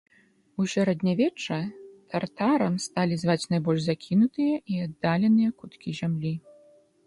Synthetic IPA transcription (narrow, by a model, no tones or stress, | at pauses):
usʲaɾɛd̪ʲnʲavʲɛt͡ʂɐt̪ʰart̪aɾɐmst̪alʲizvat͡sʲnajbɔlʲʐzakʲʰinut̪ɨjɐʔiad̪ːalʲɛnɨjɐkut̪kʲizʲamlʲi